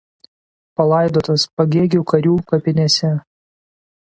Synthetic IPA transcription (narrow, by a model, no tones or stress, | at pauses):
pɐlˠɐˑɪd̪oːt̪ɐspɐɡʲeːɡʲuːkɐɾʲuːkɐpʲɪnʲɛsʲɛ